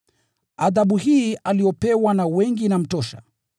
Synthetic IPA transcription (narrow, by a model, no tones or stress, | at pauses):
aðaɓuhiːaliɔpɛwanawɛŋɡinam̩tɔʃa̰